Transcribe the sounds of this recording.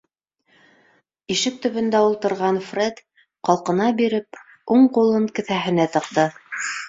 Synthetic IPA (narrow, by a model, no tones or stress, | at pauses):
iʃɘk̚t̪ɵ̆βɵ̆nd̪æulˠt̪ɤ̆ɾʁɑnfred̪ | qɑlˠqɤ̆nɑbiɾɘp | uɴqulˠɤŋkɘ̆θæɦɘ̆næt̪ɤ̆q̚t̪ɤ